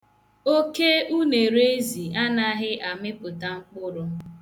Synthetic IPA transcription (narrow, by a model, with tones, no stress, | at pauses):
o˦ke˦u˦ne˨ɾe˦e˦zi˨a˦na˦ɦɪ˦ʔa˨mɪ˦pʊ˨ta˨ŋ͡m̩˦k͡pʊ˦ɾʊ˦